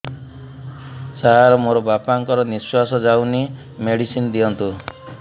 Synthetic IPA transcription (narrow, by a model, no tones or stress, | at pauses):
saɦaɾɔmoɾɔbapaŋkɔɾɔniswasɔd͡ʒawni | meɽisinɔd̪iɔnt̪u